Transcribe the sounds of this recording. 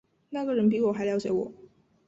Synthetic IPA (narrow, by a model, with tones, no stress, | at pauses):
na˥˩ɡə˩ɻə˧˥np̬i˧˥wɔ˨˩˦xa˧˥ɪljɑ˧˥ʊt͡ɕjɛ˧˥wɔ̰˨˩˦